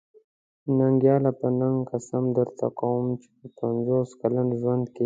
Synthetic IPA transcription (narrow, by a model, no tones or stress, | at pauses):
naŋɡjɑlapənaŋɡkasamd̪əɾt̪ʰakawumt͡ʃe̥pəpanzoskalanʒwand̪ke